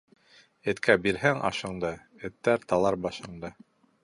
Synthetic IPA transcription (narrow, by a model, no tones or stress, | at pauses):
ɘ̆t̪kʰæbiɾɦæŋʔɑ̰ʃɤ̆ɴd̪ɤ | ɘ̆t̪ːæɾt̪ɑlˠɑɾbɑʃɤ̆ɴd̪ɤ